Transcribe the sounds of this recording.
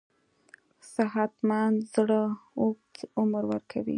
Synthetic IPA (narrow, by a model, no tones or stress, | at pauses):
saɦat̪mɑnzɽəok̚t̪ʊmɾwəɾkʰawḭ